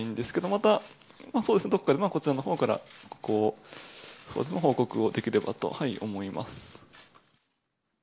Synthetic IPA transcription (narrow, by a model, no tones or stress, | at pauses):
ĩnd̪e̞sɨ̥ke̞d̪o̞mat̪a | maːso̞ːd̪esɨned̪o̞kːad̪e̞mako̞t͡ɕiɾano̞ɦo̞ːkaɾa̰koː | so̞̰ːd̪esnmɦo̞ːko̞kɯ̟o̞d̪e̞kʲiɾe̞ba̰t̪o̞̰haiʔo̞mo̞ima̰sɨ̥